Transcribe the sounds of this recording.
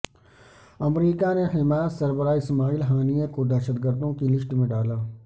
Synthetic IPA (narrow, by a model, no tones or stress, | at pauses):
ɐmɾiːkanehɪmaːt̪sɐɾbəɾaːɪsmaːiːlɦaːnijãkod̪ɛːʃəd̪ɡəɾd̪õkilɪʃʈmẽɖaːlaː